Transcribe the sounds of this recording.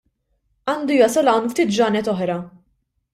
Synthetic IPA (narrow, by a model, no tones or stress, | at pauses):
ɐːnd̪ujɐsɐlɐwnft̪iːt̪̚d͡ʒɐːnɛt̪ɔħɾɐ